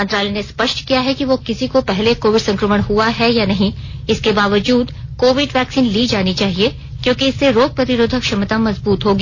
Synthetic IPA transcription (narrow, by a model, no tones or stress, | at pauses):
ɐnt̪ɾaːlɛnespɐʃʈkijaɦɛkiʋokɪsikopɛɦlekoːʋɪɖsɐ̃ŋkɾəməɽ̃ɦuaɦɛjanɐɦĩɪskebaːʋəd͡ʒuːd̪koːʋɪɖʋɛːksiːnliːd͡ʒaːnit͡ʃaːɦie | kjõːkiɪsːeɾoːɡ̚pɾɐt̪ɪɾoːd̪ʱəkʃɐmət̪amɐzbuːt̪ɦoːɡiː